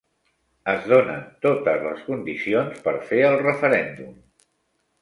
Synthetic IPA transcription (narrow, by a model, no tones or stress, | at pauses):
əzðonə̰nt̪ot̪əzləskund̪isionspəɾfeəlˠrəfəɾɛnd̪um